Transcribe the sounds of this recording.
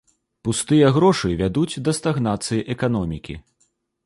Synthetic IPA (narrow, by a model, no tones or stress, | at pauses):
pust̪ɨjɐɣɾɔʂɨvʲad̪ud͡zʲd̪ɐst̪aɣn̪at̪sɨjiʔɛkan̪ɔmʲikʲḭ